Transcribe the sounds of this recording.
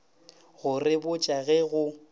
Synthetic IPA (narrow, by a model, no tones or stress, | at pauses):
ɣʊrɪbʊt͡ʃʼaɣɛɣʊ